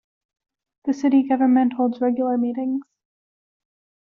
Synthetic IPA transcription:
ðɨsɪɾiɡʌvə˞mɨ̃nʔhoʊlˠdzɹɛɡjl̩ˠə˞miɾɪ̃ŋz̥

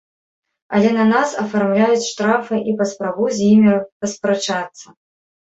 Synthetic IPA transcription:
ɐ̰lʲɛnɐnasɐfarmlʲajut͡sʲʂt̪ɾafɨʔipɐspɾabuzʲjimʲipɐspɾat͡ʂat̪sːɐ

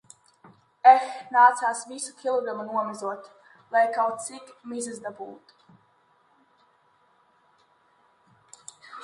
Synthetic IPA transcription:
ɛxnaːt̪saːsvisukʲilˠɔɡɾamunuɔmɛzuɔt̪ | lˠajkawt̪sikmizɛzd̪abṵːt̪

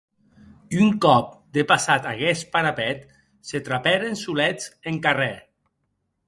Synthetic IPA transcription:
uŋkɔp̚d̪epasat̪aɣɛspaɾapɛt̪ | set̪ɾapɛɾensulɛt͡seŋkarɛ

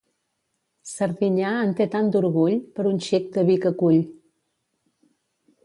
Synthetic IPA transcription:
səɾðiɲaənt̪et̪and̪uɾɣuʎpəɾunʲʃik̚d̪əβikəkuʎ

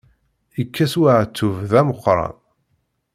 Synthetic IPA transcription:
ikʰːæswaʕt̪ːuvðæməqːɾˤɑ̰n

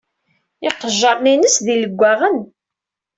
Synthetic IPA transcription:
ɪqəʒːɑɾˤninəsðiləɡʷːæʁən

